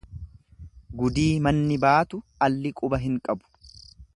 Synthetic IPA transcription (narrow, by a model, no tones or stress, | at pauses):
ɡʊd̪iːmɐnːɪbaːt̪ʊɐlːɪkʼʊbɐɦɪŋkʼɐbʊ̥